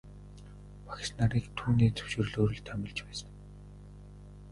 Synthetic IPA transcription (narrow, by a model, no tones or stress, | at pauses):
pʰḁxʲsnaɾiːkt̪ʰuːniːt͡sɵ̥wʃɪ̆r̆ɮoːɾɵ̆ɮt̪ʰæmʲɪ̆ɮt͡ɕpæːsə̥̆n